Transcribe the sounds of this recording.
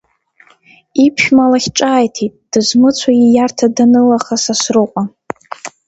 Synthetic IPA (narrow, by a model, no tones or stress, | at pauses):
ipʰʃᶣmalaχʲʈ͡ʂʼaːjtʰitʼd̥ɨzmɨt͡sʷʰaijartʰadanɨlaχasasrɨqʷʼa